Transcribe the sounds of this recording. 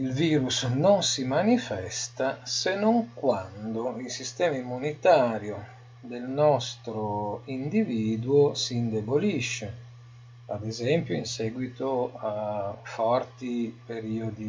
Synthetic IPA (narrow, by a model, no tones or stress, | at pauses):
ilviːɾusnonsimanifɛst̪asenoŋkwand̪oilsist̪ɛːmaimːunit̪aːɾjo | d̪elnɔst̪ɾoind̪iviːd̪uosiːnd̪eboliʃːe | ad̪ezɛmpjoinsɛːɡwit̪oafɔrt̪ipeɾiod̪i